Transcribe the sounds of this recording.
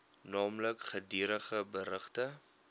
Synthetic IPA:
nɑːmləkχədiəɾəχəbəɾəχtə

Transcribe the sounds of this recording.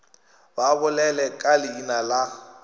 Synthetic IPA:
babʊlɛlɛkʼalɪinala

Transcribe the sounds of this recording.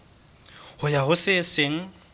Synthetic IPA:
hʊjaɦʊsɪsɪŋ̩

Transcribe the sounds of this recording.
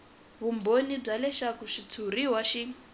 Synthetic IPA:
βumbonib͡ʐalɛʃakuʂit͡sʰuɾiɦwaʃi

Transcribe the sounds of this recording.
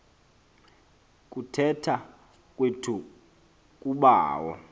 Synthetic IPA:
k̬ʼutʰɛtʰa | kʼwetʰu | k̬ʼuɓaːwɔ̰

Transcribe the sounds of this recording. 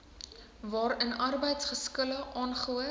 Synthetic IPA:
vɑːɾənʔɐrbəjtsχəskələʔɑːnχuə

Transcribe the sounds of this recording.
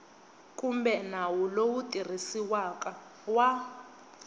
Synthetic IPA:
kʼumbɛnawulowutʼir̤isiwakʼa | wa

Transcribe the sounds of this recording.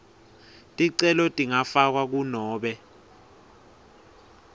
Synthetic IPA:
tʼiǀɛlɔtʼiŋafak̬wak̬unɔːɓɛ

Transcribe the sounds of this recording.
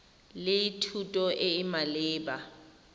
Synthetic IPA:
lɪitʰutʼɔʔɪɪmalɪːba

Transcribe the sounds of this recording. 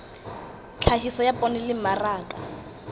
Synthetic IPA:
t͡ɬʰaɦisɔjapʼɔnɪlɪmaraːkʼa

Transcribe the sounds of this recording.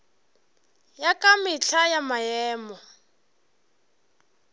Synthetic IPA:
jakamiɬʰajamajɛːmɔ

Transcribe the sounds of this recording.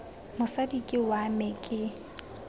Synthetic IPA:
mʊsadikʼɪwamɛkʼɪ

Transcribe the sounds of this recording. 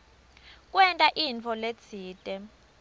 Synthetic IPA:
k̬ʼwɛntʼaʔint͡fʰɔlet͡sʰiːtʼɛ

